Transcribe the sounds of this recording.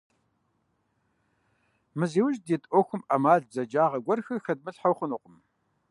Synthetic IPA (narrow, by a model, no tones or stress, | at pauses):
mɨziːwʊʒdeːtʼoxʷʊmʔamaːɮzɐd͡ʒaːʁɐɡʷɐrxɨxɐd̚mɨɬħawχʷʊnuqʷʊm